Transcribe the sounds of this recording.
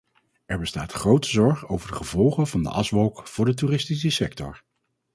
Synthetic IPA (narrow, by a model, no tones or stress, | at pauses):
ɛɹbəsta̰ːtχrowtəzɔɹχowvəɹdəχəvɔlˠχəvɑndə̰ʔɑsʋɔlˠkv̥ʊːɹdət̬uːrɪstis̬əsɛk̚tɔ̰ɹ